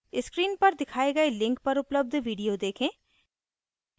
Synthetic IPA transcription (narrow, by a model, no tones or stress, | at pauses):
ɪskɾiːnpɐɾd̪ɪkʰaːeɡɐelɪ̃ŋk̚pɐɾʊpləb̚d̪ʱʋiːɖijod̪eːkʰẽː